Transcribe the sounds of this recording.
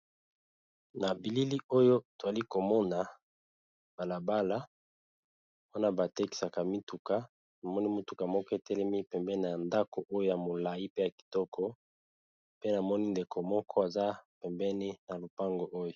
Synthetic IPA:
na˨bi˨li˦li˦o˦jo˦to˨a˨li˦ko˨mɔ˦na˨ | b̥a˨la˨ba˦la˦ | wa˦na˦ba˨tɛ˦ki̥˨sa˨ka˨mi˦tu˨ka˦ | na˨mɔ˦ni˦mi˦tu˨ka˨mɔ˦kɔ˦e˨tɛ˦lɛ˦mi˦pɛ˨mbɛ˦ni˦n˨a˨nda˦ko˨ʔo˦jo˦ja˨mo˨la˨ji˦pe˦ja˨ki̥˨tɔ˦kʰɔ˦ | pe˦na˨mɔ˦ni˦nde˨ko˨mɔ˦kʰɔ˦a˨za˦pɛ˨mbɛ˦ni˦na˨lo˨pa˦ŋɡo˨ʔo˦jo˨

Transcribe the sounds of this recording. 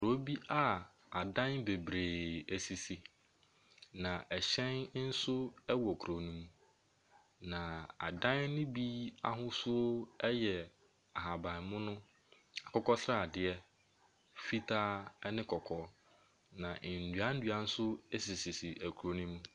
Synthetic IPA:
kɾo˦bi˦ʔa˦ | a˨dã˦nbe˨bɾeː˨æ˨si˨si˨ | nã˨ʔɛ˨ɕɛ̃˦nn̩˦sʊ˦ɛ˦wɔ˨kʰu˨ɾo˨nũ˦mũ˦ | nã˨a̰˨dã˦nːʊ̃˦bi˦a̰˦ɦʊ̃˦sʊ˦ɛ˦jɛ˨ | a˨ɦa˨bã˨n˨mʊ̃˦nʊ̃˦ | a˨kʰɔ˦kɔ˦sɾa˦˨dɪ˨ɛ˦ | fi˦tʰa˦ɛ˦nɪ̃˦kʰɔ˨kʰɔː˦ | nã˨ʔn̩˨dɥa˦n̩˦dɥa˨n̩˦sʊ˦e˦si˨si˨si˨ʔæ˨kʰu˨ɾo˨nũ˦mũ˦

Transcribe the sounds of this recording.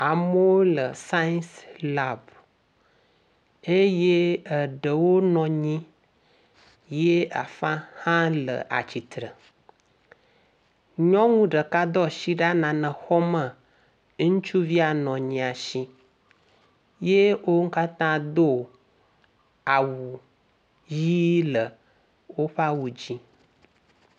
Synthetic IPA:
a˨mə˦wo˦lə˨sa˦nsla˨b | e˦je˦ə˨ɖə˨wo˦nɔ̃˨ɲĩ˦ | je˦a̰˨fã˦hã˦lə̰˨ʔa̰˨t͡ɕi˨t̪ɾə˨ | ɲɔ̃˦ŋũ˦ɖə˨ka˦d̪ɔ˦ʃi˦ɖa˦nã˨nə̃˨xɔ˦mə̃˨ | ŋũ˦t͡ʃu˦vi˦a˨nɔ̃˨ɲĩ˨a˨ʃi˦ | je˦wo˦ŋ̩˦ka˦t̪ã˦d̪o˦ | a˨wu˨ | ji˦lə˨ | wo˦ɸa˦wu˨d͡ʑi˦

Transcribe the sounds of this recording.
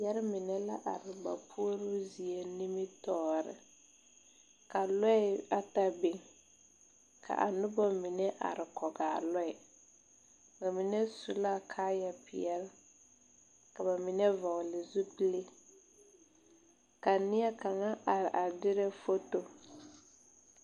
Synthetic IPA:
jɛ˦ɾɪ˦mɪ˨nɛ˦la˦ʔa˨ɾɪ˨ba̰˨pʰu˦o˦ɾʊ˦zi˨e˨ni˦mi˦tɔː˦˨ɾɪ̰˨ | ka˨lɔ˦ɪ˦a˦ta˨be˨ŋ | kʰa̰˨ʔa̰˨nʊ˦bɔ˦mi˨nɛ˦ʔa̰˨ɾɪ˨kɔ˨ɡaː˨lɔ˦ɛ˨ | ba˨mi˨nɛ˦su˨la˦kʰaː˦jɛ˨pɪ̰˨ɛ˦l | ka˨ba˨mi˨nɛ˦va˨lɪ˨zu˦pi˦le˦ | ka˨nɪ˦ɛ˦ka˨ŋa˦ʔa˨ɾɪ˨ʔa˨dɪ˦ɾɛ˦fo˦to˦

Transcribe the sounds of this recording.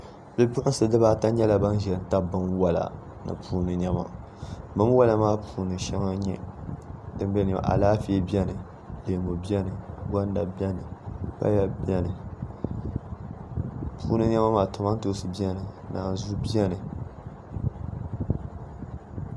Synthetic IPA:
bɨ˦bʊ˦ʔʊ˦sɨ˨dɨ˦baː˦ta˦ɲɛ˦la˨ba˦n˦ʒɛ˨lɨ˨n˦ta˦bɨ˦mwa˦la̰˨ | nɨ̰˨pʰuː˦nɨ˨ɲɛ˦ma̰˨ | bɨ˦m˦wa˦la˨maː˦pʰuː˨nɨ˨ʃɛ˦ŋa˦ɲɛ˦ | dɨ˦bɛ˦ni˨a̰˨ʔa̰˨laː˦fi˨˦ɛ˦bi˦ɛ˦nɨ˨ | leː˨mo˨bi˦ɛ˦nɨ˨ɡa˦n˦da˨bɛ˦nɨ˨ba̰˦ja˨bɛ˦nɨ˨ | pʰuː˦nɨ˦ɲɛ˦ma˦maː˨tʊ˨ma˦n˦to˦sɨ˨bi˦ɛ˦nɨ˨na̰ː˨zu˦bi˦ɛ˦nɨ˨

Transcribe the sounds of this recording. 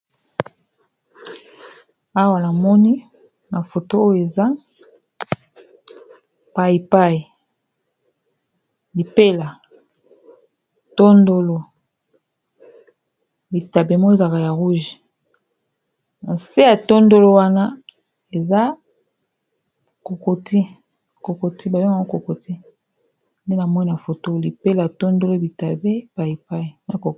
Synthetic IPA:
a˦wa˨na˨mɔ˦ni˦ | na˨fo˨to˦o˦jo˦e˨za˦ | pa˦˨i˨pa˦˨i˨ | li˨pe˦la˨ | to˦ndo˦lo˨ | bi˨ta˨be˨mo˦e˦˨za˨ka˨ja˨ʁu˦ʒi˨ | na˨se˦ja˨to˦ndo˦lo˦wa˦na˦ | e˨za˦ | ko˨ko˨tʰi˦ | ko˨ko˨ti˦ba˨jo˦ŋ˦a˨˦o˦ko˨ko˨ti˦ | nde˦na˨mɔ˦ni˦a˨fo˨to˦˨li˨pe˦la˨to˦ndo˦lo˦bi˨ta˨be˦ba˨e˨pa˦i˨na˨ko˨

